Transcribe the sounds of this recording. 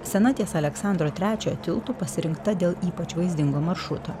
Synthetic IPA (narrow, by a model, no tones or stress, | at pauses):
sʲɛnɑːt̪ʲisɐlʲɛksɑˑnd̪ɾoːt̪ʲɾʲæːt͡ʃʲoːjot̪ʲɪlˠt̪uːpɐsʲɪɾʲɪŋkt̪ɐd̪ʲeːlˠiːpɐt͡ʃʋɐɪzʲd̪ʲɪŋɡoːmɐɾʃɾʊt̪oː